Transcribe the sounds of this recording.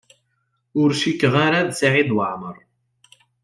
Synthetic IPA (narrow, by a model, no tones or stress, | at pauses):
ʊɾʃikːəʁaɾaðsaʕiðwəʕməɾˤ